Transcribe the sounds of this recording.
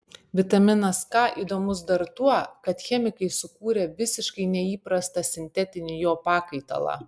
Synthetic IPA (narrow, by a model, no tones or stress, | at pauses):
ʋʲɪt̪ɐmʲɪnɐskɑːʔiːd̪oːmʊs̬d̪ɐɾt̪uɔkɐt̪xʲɛmʲɪkɐɪsʊkuːɾʲɛʋʲɪsʲɪʃkɐɪnʲɛiːpɾɐst̪ɐsʲɪnʲt̪ʲɛt̪ʲɪnʲɪjoːpɑːkɐɪt̪ɐ̰lˠɑ̰ː